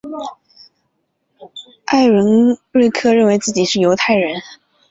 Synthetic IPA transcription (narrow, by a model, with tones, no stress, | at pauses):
a˥˩ɪɻə˧˥ŋɻe˥˩ɪkʰɤ˥ɻə˥˩nwe˧˥ɪt͡sɹ̩˥˩t͡ɕi˨˩ʂɻ̩˥˩jo˧˥ʊt̪ʰa˥˩ɪɻə˧˥n